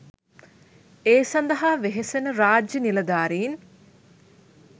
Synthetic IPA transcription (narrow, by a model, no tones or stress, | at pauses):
eːsɐnd̪ɐɦaːʋeɦesenəɾaːd͡ʒjənilɐd̪aːɾejin